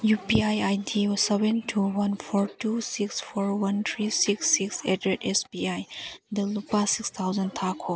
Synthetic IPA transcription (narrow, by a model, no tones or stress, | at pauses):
jupiajajdʰisebɛntʰuwɐnpʰɔɾtusikspʰɔɾwɐnt̪ʰɾisiksːiksedɾetɛsbiajdəlupasikst̪ʰawzɐntʰakʰo